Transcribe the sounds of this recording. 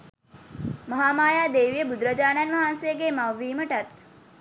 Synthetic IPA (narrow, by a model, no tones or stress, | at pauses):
mɐɦaːmaːjaːd̪eːʋijəbud̪ɾəd͡ʒaːnanʋaɦansejəɡeːmaʋːiːməʈɐt̪